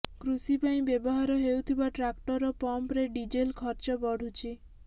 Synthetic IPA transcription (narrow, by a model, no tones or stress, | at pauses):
kɾusipaĩbebɔɦaɾɔɦewt̪ʰibaʈɾakʈɔɾɔpɔmpɾeɖid͡ʒelkʰɔɾt͡ʃɔbɔɽ̤ut͡ʃʰi